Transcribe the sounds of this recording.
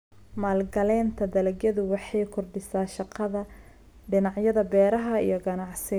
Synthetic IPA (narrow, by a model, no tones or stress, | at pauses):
maːlɡɐlɛːnt̪ʰɐd̪ɐlɐɡjɐðʊwɑħɑjkʰʊrɖɪsaːʃɑqɑðɐ | ɖɪnɑʕjɐðɐbɛːɾɐɦɐḭjɔɡɐnɑʕsɪ